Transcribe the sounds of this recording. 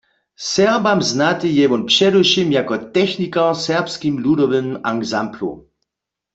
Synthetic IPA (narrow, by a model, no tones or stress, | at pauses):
sɛʁbamznat̪ɪjɛvɔnpʂɛduʃimjakɔt̪ɛxnikasɛʁpskimludɔvɪmaɡzamplṵ